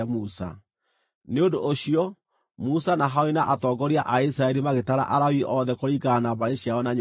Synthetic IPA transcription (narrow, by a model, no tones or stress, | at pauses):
musa̰ | neondoʔːɕiɔ | musanaɦaoinaʔatɔːɡɔɾiaʔais̬ɾaɛɾimaɣetaɾa̰ʔaɾawiʔɔðɛkoɾikaːnabaɾeɕjaɔnaɲ